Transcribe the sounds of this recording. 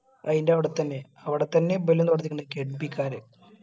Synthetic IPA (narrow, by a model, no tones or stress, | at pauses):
ɐðindeɐʋiɽet̪ːɐnːe | ɐʋiɽet̪ːɐnːe̞belːunt̪oɽɐt̪ːikʲːuɳːekeɽpikʲːaːɾe